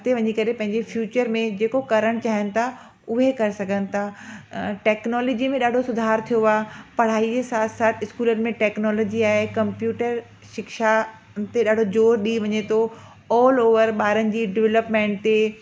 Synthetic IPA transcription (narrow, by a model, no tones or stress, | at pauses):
t̪eʋɐɲikɐɾepɐ̃ɦɪ̃ɲd͡ʑefjuːt͡ɕəɾmẽd͡ʑeːkokɐɾəɽ̃t͡ɕaːɦɪənɪ̆t̪ʰa | ʊɦekɐɾesɐɡʱənɪ̆t̪ʰa | ʈɛːknɔːlɔːd͡ʑimẽɗaːɖʱosʊd̪ʱaːɾt̪ʰijoaːpɐɽ̤aːid͡ʑesaːt̪ʰsaːt̪ʰɪskuːlənɪ̆mẽʈɛːknɔːlɔːd͡ʑiaːɦekɐ̃mpjuːʈəɾ | ʃɪkʃa | t̪eɗaːɖʱod͡ʑoːɾɗiʋɐɲet̪ʰo | ɔːloːʋəɾɓaːɾənɪ̆d͡ʑiːɖɪʋɛləpmẽːɳʈ̚t̪e